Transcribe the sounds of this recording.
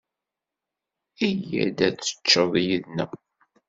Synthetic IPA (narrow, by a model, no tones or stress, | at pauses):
ijæ̰d̪æt͡sːə̥t͡ʃːəðˤjəðnæ